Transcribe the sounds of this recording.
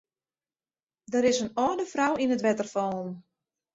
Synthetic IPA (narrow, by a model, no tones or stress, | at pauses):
dəɾɪsənɔːdəfrawinətʋɛtərfɔːlˠn